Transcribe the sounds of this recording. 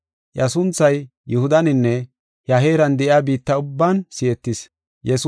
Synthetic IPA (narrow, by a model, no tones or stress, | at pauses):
ʔjɐsʊnt͡sːɐj | jʊhʊd̪ɐnɪnːɛ | hɐɦeːɾɐnd̪ɛʔjaːbiːt̪ːɐʊbːaːnsɪjɛt̪ːɪs | jɛs